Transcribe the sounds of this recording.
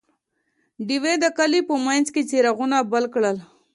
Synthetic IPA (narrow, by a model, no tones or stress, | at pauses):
ɖiwed̪əkalipəmajnzket͡seɾaɣunabəlkɽəl